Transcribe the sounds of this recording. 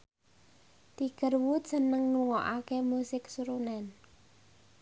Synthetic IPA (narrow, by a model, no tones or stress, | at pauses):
t̪iɡ̥ərwut̪sənəŋːuŋɔʔakemusɪksuɾunɛn